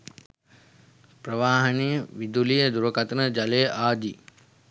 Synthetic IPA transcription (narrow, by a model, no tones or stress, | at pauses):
pɾəʋaːɦənijəʋid̪uliːəd̪uɾəkɐt̪nəd͡ʒɐleːʔaːd̪i